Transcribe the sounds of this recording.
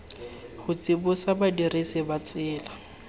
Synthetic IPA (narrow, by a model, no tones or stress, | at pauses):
hʊt͡sʼɪbʊsabadiresɪbat͡sʼɪːla